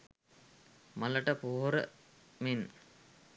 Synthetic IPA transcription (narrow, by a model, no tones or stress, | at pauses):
maləʈəpoːɦoɾə̰ | min